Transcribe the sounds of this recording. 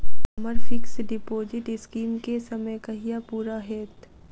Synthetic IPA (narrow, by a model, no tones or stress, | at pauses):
məɾfɪksɖɪpoːzɪʈɪskiːmkesɐməjkɐɦijapuːɾaɦeːt̪